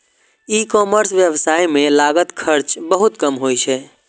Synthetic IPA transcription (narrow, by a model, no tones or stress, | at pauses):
ikɔməɾsʋjəʋsaːijmẽlaɡət̪kʰəɾt͡ʃbəɦut̪kəmɦojt͡ʃʰɛ